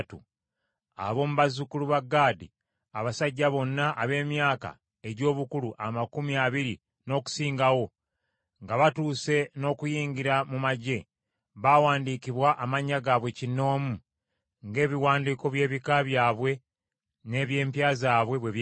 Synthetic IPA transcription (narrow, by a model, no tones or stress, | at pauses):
tṵ | a̰βo̞ːmuβazukuluβaɡːaːdḭ | aβasaɟːaβo̞nːaʔːβe̞ːmjaːka̰ | e̞ɟo̞ːβukuluʔamakumiaβiɾi | no̞ːku̥siːŋɡawo̞ | ŋɡaβatuːse̞no̞ːkujiːɲɡiɾamumaɟe̞ | βawaːndiːkiβwaʔamaɲːaɡaːβwe̞cino̞ːmu | ŋɡe̞ːβiwaːndiːko̞βje̞ːβikaβjaːβwe̞ | ne̞ːβje̞ːmpjaːzaːβwe̞βweβj